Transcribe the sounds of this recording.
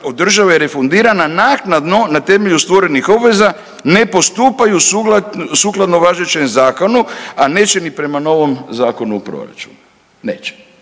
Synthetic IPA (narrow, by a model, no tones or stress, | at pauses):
od̪r̩ʒaʋejeɾe̞fond̪iːɾananaːknad̪no̞nat̪e̞me̞ʎust̪ʋo̞ɾe̞nixo̞bʋe̞za | ne̞po̞st̪uːpajusuɡlasuːklˠad̪no̞ʋaʒet͡ʃe̞mzaːko̞nuane̞ːt͡ɕe̞nipɾe̞mano̞ʋo̞mzaːko̞nuupɾo̞̰ɾa̰t͡ʃu̥̰nu | nḛːt͡ʃe̥